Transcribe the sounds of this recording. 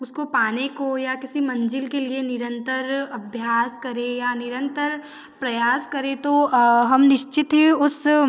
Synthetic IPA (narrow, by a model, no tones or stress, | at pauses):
ʊskopaːnekojakɪsimɐ̃ɲd͡ʒɪlkelienɪɾə̃nt̪əɾɐbʱjaːskɐɾẽjanɪɾə̃nt̪əɾ | pɾɐjaːskɐɾẽt̪oɦɐmnɪʃt͡ʃɪt̪ɦɛʊs